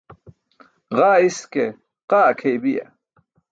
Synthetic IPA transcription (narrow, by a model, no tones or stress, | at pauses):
ʁɑːiske | qɑːkʰejbija̰